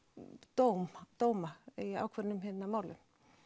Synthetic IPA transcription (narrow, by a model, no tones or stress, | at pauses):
t̪owmt̪oːwmaia̰ːwkʰvɛɾnʏmɦɪnːamaːwlɪ̰m